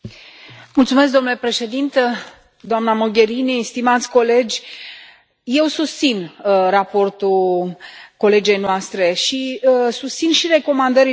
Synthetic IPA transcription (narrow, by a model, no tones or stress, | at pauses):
mult̪sumesk̚d̪o̞nule̞pɾe̞ʃe̞d̪int̪ə | d̪oamnamo̞ɡʲe̞ɾinist̪imat̪sʲko̞le̞d͡ʒʲ | je̞wsust̪sinrapo̞rt̪u | ko̞le̞d͡ʒe̞jnoast̪ɾe̞ʃisust̪sinʃiɾe̞ko̞mand̪əɾi